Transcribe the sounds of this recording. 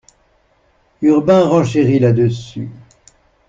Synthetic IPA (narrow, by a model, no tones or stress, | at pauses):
yʁbɛ̃ʁɑ̃ʃeʁilad̪əsy̰